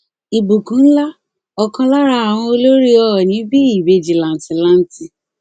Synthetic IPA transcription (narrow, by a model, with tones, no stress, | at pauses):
i˨bu˨kũ˨˦n̩˦la˦ | ɔ˨kɔ̃˧la˦ɾa˧˦a˨w̃ɔ̃˧o˧lo˦ɾi˦ɔ˦˨nĩ˨˦bi˦i˦˨be˧d͡ʒi˨lã˨n̩˨ti˨la˦n̩˦ti˧